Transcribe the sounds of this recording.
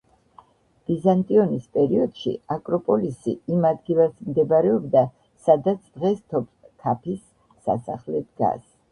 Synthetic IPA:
b̥izant̪ʼiɔnispʼɛɾiɔd̪̥ʃḭakʼɾɔpʼɔlisḭimad̪ɡilat̪ʰmd̪ɛbaɾɛɔbd̪a | sad̪at̪sʰd̪̥ʁɛst̪ʰɔpʰkʰapʰisː | a̰saχlɛd̪ɡa̰s

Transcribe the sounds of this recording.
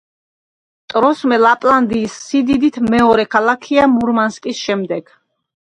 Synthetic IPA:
t̪ʼɾɔsmɛlapʼland̪iːsːid̪id̪it̪ʰmɛɔɾɛkʰalˠakʰiamuɾmanskʼisʃɛmd̪ɛɡ̥

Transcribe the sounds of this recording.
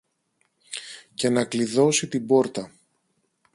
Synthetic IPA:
ce̞nɐkliðo̞sit̪ibo̞ɾt̪ɐ

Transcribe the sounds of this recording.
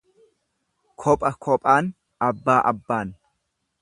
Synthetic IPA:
kʰɔpʼɐkʰɔpʼaːn | ɐbːaːʔɐbːaːn

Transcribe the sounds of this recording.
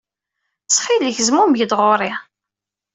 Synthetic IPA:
t͡sːχilːəçəzmumjəd̪ʁoɾˤi

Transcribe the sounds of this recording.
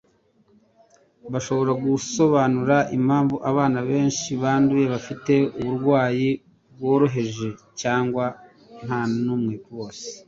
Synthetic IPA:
βaʃo̞βo̞ɾaɡuso̞βaːnuɾaʔim̥haːɱvuʔaβaːnaβe̞ːnʃiβaːnduje̞βafite̞uβuɾɡwaːji | bwo̞ːɾo̞ɦe̞ʒe̞caːŋɡwa | n̥hanumŋiːkuwo̞ːse̥

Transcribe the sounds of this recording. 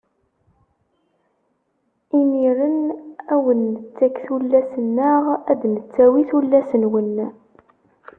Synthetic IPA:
iniɾənæwənːət͡sːækθulːæsənːəʁæd̪nət͡sːæwiθulːæsənwənː

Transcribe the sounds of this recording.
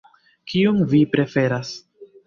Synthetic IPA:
kiunvipɾe̞fe̞ɾas

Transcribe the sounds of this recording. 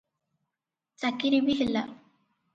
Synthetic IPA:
t͡sakiɾibiɦilːa

